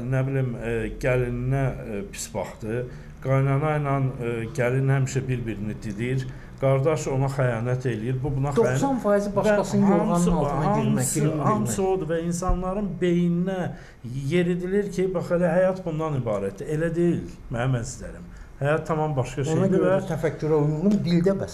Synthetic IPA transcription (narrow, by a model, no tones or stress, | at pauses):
næbilimɟælinnæpʰi̥sbɑ̰χd̪ɯ | ɡ̥ɑjnɑnɑjnɑnɟælinhæmiʃæbiɾbiɾinid̪iliiɾ | ɡ̥ɑɾd̪ɑʃo̞nɑxæjɑːnæt̪ʰe̞lijiɾbubunɑd̪osɑnfɑːjizibɑæɑshɑmnɑlhɑmmshɑmso̞d̪uvæinsɑnlˠɑɾɯnbe̞jininæ | je̞ɾid̪iliɾcʰibɑχelæɦæjɑt̪bund̪ɑnibɑːɾæt̪d̪ie̞læd̪e̞jil | mæmænisd̪æ̰ɾim | hæjɑt̪ʰːɑmɑmbɑʃkɑʃoneɑdiæt̪ʰæfækʰːyɾæujuʁumd̪ild̪æbæs